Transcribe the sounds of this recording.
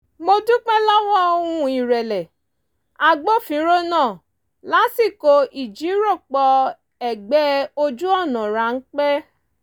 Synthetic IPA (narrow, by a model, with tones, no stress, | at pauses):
mo˧du˦k͡pɛ̃˦la˦wɔ̃˦o˧hũ˧i˨ɾɛ˨lɛ˨ | a˨ɡ͡bo˦˨fĩ˨˦ɾo˦nãː˦˨ | la˨˦si˦˨ko˧i˨d͡ʒi˨˦ɾo˦˨k͡pɔ˧ | ɛ˨ɡ͡bɛ˨˦o˧d͡ʒu˦ɔ˦˨nã˨ɾa˨˦n̩˦k͡pɛ˦